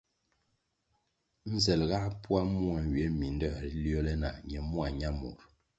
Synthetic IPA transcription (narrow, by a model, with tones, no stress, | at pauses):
n̩˦zɛ˨lɣa˦pwa˦mu˦a˨n˨ɥɛ˨˦mi˨n˦dɔ˦˨ɾljɔ˦lɛ˦na̰˨ɲɛ˨mu˦a˨ɲa˦mṵ˨ɾ